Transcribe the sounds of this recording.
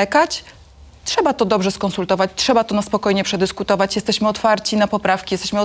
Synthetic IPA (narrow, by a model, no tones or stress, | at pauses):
ɛkat͡ɕ | tʂɛbat̪ɔd̪ɔbʐɛskɔ̃nsult̪ɔvat͡ɕtʂɛbat̪ɔnaspɔkɔjɲɛpʂɛd̪ɘskut̪ɔvat͡ɕjɛst̪ɛɕmɘɔt̪faɾt͡ɕinapɔpɾafkʲijɛst̪ɛ̥ɕmɘ